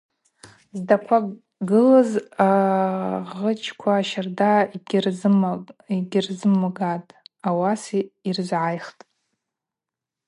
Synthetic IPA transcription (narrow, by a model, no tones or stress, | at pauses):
zdakʷʰa | ɡɨlaza | ʁət͡ʃʰkʷʰaːʃardar | iɡʲrzɨmːaɡatʼawasiirʒʷʕajχtʼ